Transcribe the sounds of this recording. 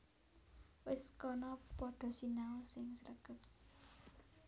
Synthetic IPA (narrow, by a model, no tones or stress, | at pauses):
wɪskɔnɔpɔɖ̥ɔ̤sinaɔsɪŋsəɾəkət̪̚